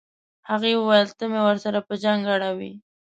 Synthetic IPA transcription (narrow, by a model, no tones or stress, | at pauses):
haɣewəwajəlt̪əmewəɾsaɾapəd͡ʒaŋɡaɽawḭ